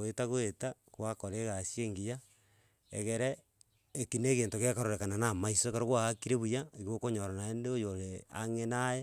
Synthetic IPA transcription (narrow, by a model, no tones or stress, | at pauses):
oetaɣoetakwakoɾeɣasjieːŋɡija | ḛɣeɾeː | kineɣeːntoɣekaɾoɾekananamaisokaɾoɣwaɣakiɾeβujaiɣokoɲoɾanaendeojoɾea̰ŋenaje